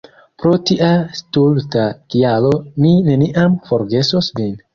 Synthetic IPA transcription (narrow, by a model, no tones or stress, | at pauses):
pɾo̞tiʔastultakialomine̞niʔamfo̞ɾɡe̞sosmin